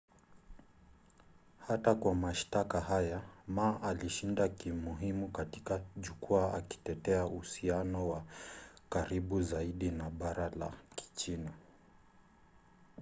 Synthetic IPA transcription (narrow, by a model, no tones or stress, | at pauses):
hatakwamaʃtakaɦajamaːʔaliʃindakimuɦimukatikaʄukuaa̰ki̥tɛtɛauhusianɔwakaɾiɓuzaiɗinaɓaɾala̰ki̥t͡ʃina